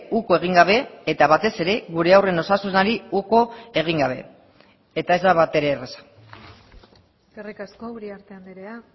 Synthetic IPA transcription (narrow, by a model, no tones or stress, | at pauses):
uko̞e̞ɣ̞iŋɡaβe̞ːt̪aβat̪e̞se̞ɾe̞ɣuɾe̞awre̞no̞sasunaɾiuko̞e̞ɣ̞iŋɡaβ̞e̞ː | t̪ae̞zd̪aβat̪e̞ɾe̞ːresḁ | karikaskouɾiaɾt̪eand̪iɾea